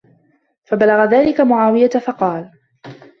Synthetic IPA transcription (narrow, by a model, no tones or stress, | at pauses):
fabalaɣaðaːlɪkamʊʕaːwɪjatfɑqɑːl